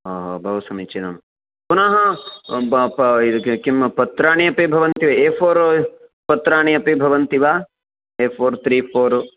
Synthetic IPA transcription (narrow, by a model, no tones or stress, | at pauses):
ɦoːɦoːbʱɐʋɐsɐmit͡ʃinɐm | kunaɦɐ | pid̪kkimpɐt̪ɾaːɳijɐpibʱɐʋɐnt̪iʋɐeːpʰoːɾpɐt̪ɾaːɳijɐpibʱɐʋɐnt̪iʋaː | eːpʰoːɾt̪ʰɾiːpʰoːɾ